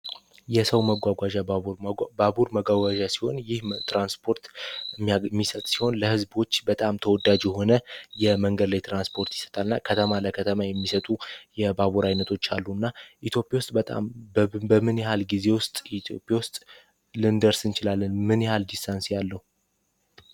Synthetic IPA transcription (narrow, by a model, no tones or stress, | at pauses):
jɛsəwməɡʷaɡʷaʒa | babuɾməɡʷaɡʷaʒasi̥ho̞njɪht̪ɾanspʰo̞ɾt̪ | mːisət̪ʼsi̥ho̞nləhɨzbo̞t͡ʃːbət̪ʼamt̪ʰəwɔd̪ad͡ʒjɛho̞nəjɛməŋɡəd̪lajt̪ʰɾanspʰo̞ɾt̪jɪ̥sə̥t̪ʼalɨnːakʰət̪ʰəmaləkʰət̪ʰəmajɛmːisət̪ʼujɛbaβuɾajnət̪ʰo̞t͡ʃːalːuɨnːaʔit̪ʰjo̞pʼjawst̪ʼbət̪ʼa̰mbəmɨnjɛhalɡize̞wʊst̪ʼit̪ʰjopʼjawʊst̪ʼ | lɨnd̪əɾsɨnt͡ʃɪlalːənmɨnjɛhald̪ist̪ʰansijalːəhu